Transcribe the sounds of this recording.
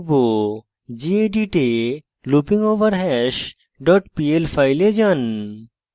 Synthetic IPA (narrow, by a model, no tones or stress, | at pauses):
bo | d͡ʒieɖiʈe | lupĩŋɡoːʋəɾɦɛʃ | ɖɔːʈpielpʰajled͡ʒɐn